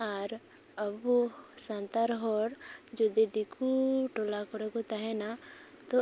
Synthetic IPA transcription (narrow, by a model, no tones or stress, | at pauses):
aɾ | əbusant̪aɾɦɔɾd͡ʒɔd̪ed̪ikʰuʈɔlakɔɾɛkɔt̪aɦɛna | t̪ɔ